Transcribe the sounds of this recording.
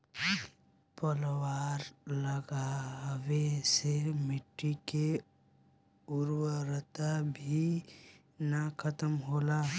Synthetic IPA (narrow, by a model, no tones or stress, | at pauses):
pəlwaːɾləɡawesemɪʈːike | ʊɾwəɾət̪abʱi | nakʰət̪əmɦoːlaː